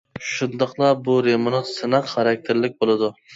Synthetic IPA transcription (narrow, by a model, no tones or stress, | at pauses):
ʃund̪ɑqlˠɑbuɾemonɑt̪sɨnɑqχɑɾɑk̚ʲt̪ʰɪɾlɪk̚ʲbolˠɨd̪ʊ